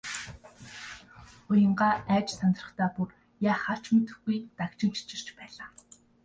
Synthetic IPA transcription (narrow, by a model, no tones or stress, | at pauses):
ʊjə̆ɴɢaːæːt͡ɕsʰant̪rə̆χt̪ʰaːpur | jaːχaɬt͡ɕmet̪ɘ̆xɡujt̪akt͡ɕɪ̆ŋt͡ɕi̥t͡ɕɪ̆r̥t͡ɕpæːɮaː